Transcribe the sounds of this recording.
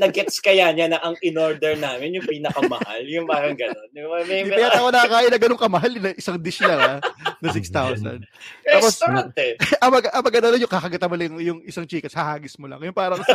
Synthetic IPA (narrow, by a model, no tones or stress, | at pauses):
nɐɡɛt̪skɐjanɲanɐʔɐŋɪnoɹd̪ɛɹnaːmɪnjʊŋpiːnɐkɐmɐha̰ljʊŋpaːɾɐŋɡɐnonɐmɛɐjatɐkonɐkɐkaːʔɪnːɐɡɐno̞ŋkɐmɐɦalɪnɐʔɪsaŋd̪ɪʃlɐŋanɐsɪkst̪awsɐ̰nd̪̚taːposnt̪ɛʔɐmɐɡaʔɐmɐɡɐd̪ɐnojʊŋkakɐɡɐt̪amolɐŋjʊŋɪsaŋt͡ʃiːkɐshɐhaːɡɪsmolɐ̰ŋjʊnpaːɾɐŋ